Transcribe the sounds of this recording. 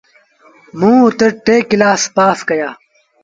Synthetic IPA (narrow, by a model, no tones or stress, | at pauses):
mũːt̪eɾʈeːkːilaːspaːfkɐjaː